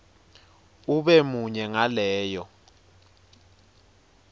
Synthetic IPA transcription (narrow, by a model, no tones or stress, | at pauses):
uɓɛmuɲɛŋalɛːjɔ